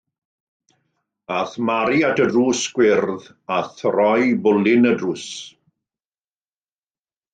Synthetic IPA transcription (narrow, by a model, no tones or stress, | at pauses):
aθmaɾiatʰədruːsɡ̥wɪrð | aθrɔjbʊlɪnədruːs